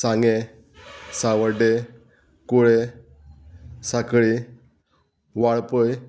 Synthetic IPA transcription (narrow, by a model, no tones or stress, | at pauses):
sãŋɡe | saʋəɾɖe | kuɭe | sakɭi | ʋaɭpəj